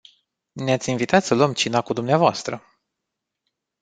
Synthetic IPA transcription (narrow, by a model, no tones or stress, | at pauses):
neat̪sʲinvit̪at̪səluəmt͡ʃinakud̪umneavoast̪ɾə